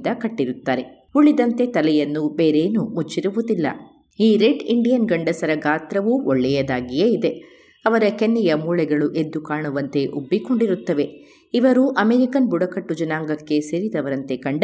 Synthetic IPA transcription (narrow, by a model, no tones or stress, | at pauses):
d̪ɐkɐʈːiɾut̪ːaːɾe̞ | uɭid̪ɐnt̪e̞t̪ɐlɛjɐnːube̞ːɾeːnumut͡ʃːiɾuʋud̪ilːɐ̰ | iːɾeɖiɳɖijɐnɡɐɳɖɐsɐɾɐɡaːt̪ɾɐʋuɔɭːɛjɐd̪aːɡijeid̪e̞ | ɐʋɐɾɐkenːɛjɐmuːɭɛɡɐɭuʔed̪ːukaːɳuʋɐnt̪e̞ʔubːikoɳɖiɾut̪ːɐʋe̞ | iʋɐɾuʔɐmeɾikɐnbuɽɐkɐʈːud͡ʒɐnaːŋɡɐkːe̞seːɾid̪ɐʋɐɾɐnt̪e̞kɐɳɖ